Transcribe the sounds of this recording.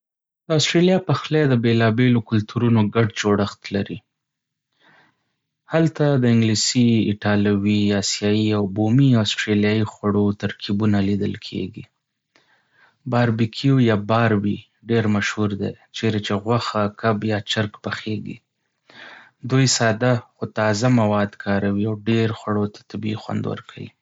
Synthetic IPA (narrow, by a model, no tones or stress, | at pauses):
d̪əasʈɾelijɑpaxled̪əbelɑbelokʊlt̪ʰuɾunoɡaɖd͡ʒoɽəxt̪laɾi | halt̪ad̪əɪŋɡlisiɪʈɑlawiɑsjɑjiawbomiasʈɾeljɑjixwaɽot̪aɾkʰibunalid̪ə̰lkʰḛɡi | bɑɾbikʰijojɑbɑɾbi | ɖeɾmaʃhuɾd̪ḛt͡ʃeɾat͡ʃeɣwaxakabjɑt͡ʃaɾkpaxeɡḭ | d̪ujsɑd̪axot̪ɑzamawɑd̪kʰɑɾawiawɖeɾxwaɽot̪ḁt̪abiixwa̰nd̪wə̰ɾkʰa̰wḭ